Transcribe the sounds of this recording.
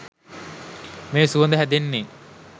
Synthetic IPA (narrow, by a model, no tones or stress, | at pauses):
meːsuənd̪əɦæd̪enːeː